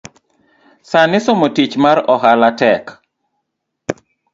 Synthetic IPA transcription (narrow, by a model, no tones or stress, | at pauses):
sanɪsomotit͡ʃmaɾɔɦalatɛk